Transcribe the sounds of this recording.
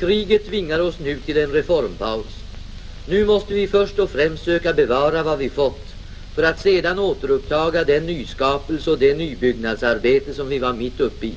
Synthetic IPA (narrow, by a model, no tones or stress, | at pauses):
kʰɾiːɡət̪ʰːvɪŋːaɾɔsnʉ̟ːt̪ʰɪlɛnɾɛfɔɾmpʰaʊs | nʉ̟ːmɔst̪əvɪfœʂʈɔfɾɛmst̪søːkabɛvɑːɾavavɪfɔt̪ː | fœɾat̪seːd̪anoːt̪əɾɵpt̪ʰɑːɡad̪ɛnːyːskɑːpəlsəɔd̪ɛnyːbʏɡnad̪saɾbeːt̪əsɔmvɪvaɾmɪt̪ːɵpːɪ